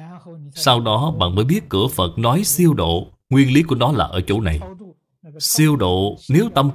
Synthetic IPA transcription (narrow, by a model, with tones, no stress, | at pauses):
sa˧wɗɔ˨˦ɓa̰ː˧˨nməː˨˦jɓi˦˥ət̚kɨ˧˩əfə˨˩t̚nɔ˨˦jsi˧əwɗo̰˧˨ | ŋwi˧ənli˨˦ku˧˩ənɔ˨˦la̰ː˨˩ʔəː˧˩t͡ɕo̰˧˩na˨˩j | si˧əwɗo̰˧˨ne˨˦wt̪ə˧m